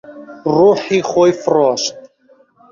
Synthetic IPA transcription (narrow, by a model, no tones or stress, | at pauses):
ruːħiχojfrɔʃt̪̚ʼ